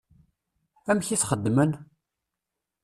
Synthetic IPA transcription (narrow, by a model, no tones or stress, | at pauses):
æmçiθχəd̪ːmən